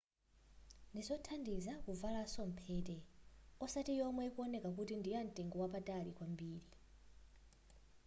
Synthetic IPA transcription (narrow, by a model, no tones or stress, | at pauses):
ndizɔtʰandizakuvalasɔm̩pʰɛːtɛɔsatijɔmwɛkuɔnɛkakutindijan̩tʼɛŋɡɔwapatʼalikwambiːɺi